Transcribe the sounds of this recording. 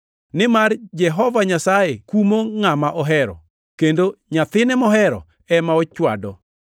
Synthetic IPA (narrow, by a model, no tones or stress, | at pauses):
nɪmard͡ʒɛɦɔvaɲasajekumoŋamaʔɔɦɛɾɔ̰ | kendoɲat̪ɪnɛmɔɦɛɾɔ̰ | ɛmaɔt͡ʃwa̰dɔ